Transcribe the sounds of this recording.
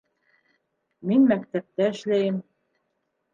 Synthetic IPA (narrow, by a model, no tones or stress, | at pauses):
minmækt̪æp̚t̪æɘ̆ʃlæjɘm